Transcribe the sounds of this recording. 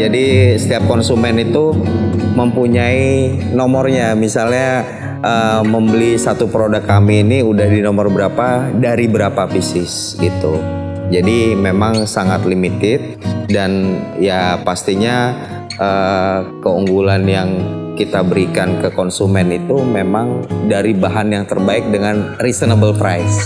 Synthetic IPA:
d͡ʒadisə̥t̪iap̚kɔnsumɛnit̪uməmpuɲainɔmɔrɲamisalɲa | ʔəməmbəlisat̪upəɾodakːamiːniudahdinomɔrbəɾapadaɾibəɾapafisɪs | ɡit̪u | d͡ʒadimemaŋsaŋat̪limit̪ɪt̪̚danjapast̪iɲa | ʔəkəuŋɡulanjaŋkit̪abəɾikankəkɔnsumɛnit̪umemaŋdaɾibaɦanjaŋt̪ərbaɪk̚dəŋanrisənabəlpɾajs

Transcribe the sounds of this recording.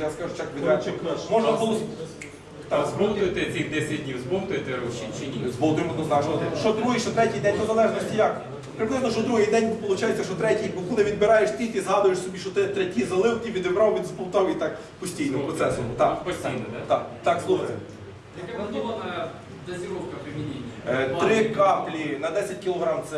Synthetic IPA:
jaskɑʒʊt͡ʃakʋʲid̪ɾɛt͡ʃkmɔʒnɐɦɔlˠɔ | t̪akzbɾɔmt̪ʊjt̪ɪsʲɛjd̪ɛsʲɐdʲnʲiwzbɔmt̪ʊjt̪ɪit͡ʃnʲizbɔlˠd̪ɾʊmɐt̪ɔzɐɛʒɔʃɔd̪ɾuɦɪʃtɔt̪ɾɛtʲijd̪ɛnʲt̪ɔzɐlˠɛʒnɔsʲtʲijak | pɾeklˠɪznɔʃɔd̪ɾuɦijd̪ɛnʲspɔlˠʊt͡ʃajet͡sʲːɐʃɔt̪ɾɛtʲijpɔkulnɪʋʲid̪̚bɪɾɑjeʃt̪ilʲkʲɪzɦɑd̪ʊjeʃsɔbʲiʃt͡ʃɔt̪ɪt̪ɾɛtʲizɐlˠɪwt̪ʲiʋʲid̪ɪbɾɑwʋʲid̪zbɔwˠt̪ɔwit̪ɑk | pɔsʲtʲijnɔɦpɾɔt̪sɛsʊt̪ɑpsʲit̪akt̪ɑkslˠuxɐt̪e | ɐɔɐn | zɐsʲɪɾɔfkɐpɾɪmʲinʲeɾɪkɑplʲinɐd̪ɛsʲɐt̚ʲkʲilˠɔɦɾɑmt̪sɛ

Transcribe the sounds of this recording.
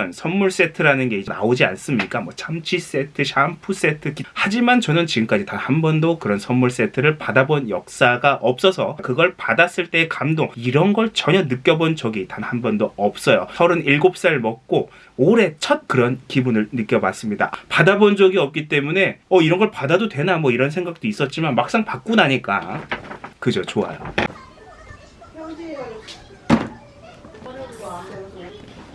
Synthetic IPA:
ʌnsʰʌnmuɭs͈e̞tʰɯɾanɯnɡe̞id͡ʑna̰od͡ʑia̰ns͈ɯmɲik͈amwʌt͡ɕʰamt͡ɕʰis͈e̞tʰɯɕʰampʰus͈etʰɯkihad͡ʑimant͡ɕʌnɯnt͡ɕiɡɯmk͈ad͡ʑitahanbʌndokɯɾʌnsʰʌnmuɭs͈e̞tʰɯɾɯɭpadabonjʌk̚s͈aɡaʔʌp̚s͈ʌsʰʌkɯɡʌɭpadas͈ɯɭt͈e̞ːkamdoŋiɾʌnɡʌɭt͡ɕʌɲʌnɯk͈jʌbond͡ʑʌɡitanhanbʌndoʌp̚s͈ʌjo̰sʰʌɾɯniɭɡop̚s͈aɾɯɭmʌk̚k͈o | oɾe̞t͡ɕʰʌt̚kɯɾʌnkibunɯɭnɯk͈jʌbas͈ɯmɲida̰padabʌnd͡ʑʌɡiʌp̚k͈it͈e̞mune̞ʌiɾʌnɡʌɭpadadodwe̞namwʌiɾʌnsʰe̞ŋɡak̚t͈ois͈ʌt̚t͡ɕ͈imanmak̚s͈aŋpak̚k͈unaɲik͈a | kɯd͡ʑot͡ɕoa̰jo

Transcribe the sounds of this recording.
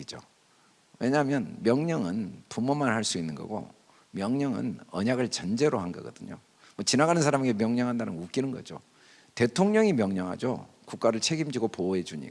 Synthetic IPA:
id͡ʑo̰ | we̞ɲaɦmjʌnmjʌŋɲʌŋɯnpumːomanɦaɭs͈uinːɯnɡʌ̰ɡo̰ | mjʌŋɲʌŋɯ̰nʌɲaɡɯɭt͡ɕʌnd͡ʑe̞ɾoɦanɡʌɡʌ̰d̥ɯɲo̰ | mʌt͡ɕinaɡanɯns̬ʰaɾameɡemjʌŋɲʌŋɦandanɯ̰nuk͈inɯnɡʌ̰d͡ʑo̰ | te̞tʰoŋɲʌŋimjʌŋɲʌŋɦa̰d͡ʑo̰ | kuk͈̚aɾɯɭt͡ɕʰe̞ɡimd͡ʑiɡopoe̞d͡ʑuɲḭ

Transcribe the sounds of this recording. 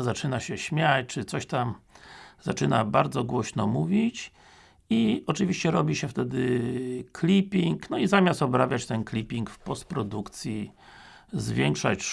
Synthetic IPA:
zat͡ʂɘnaɕɛɕmʲjat͡ɕt͡ʂɘt̪sɔɕt̪amz̥at͡ʂɘnabaɾd̪zɔɡwɔɕnɔmuvʲit͡ɕ | iɔt͡ʂɨvʲiɕt͡ɕɛɾɔbʲiɕɛft̪ɛd̪ɘkʰlʲipʲiŋknɔizamʲjast̪ɔbɾavʲjat͡ɕt̪ɛnklʲipʲiŋkfpɔst̪̚pɾɔd̪ukt̪sʲji | zvʲjɛŋkʂa̰t͡ɕ

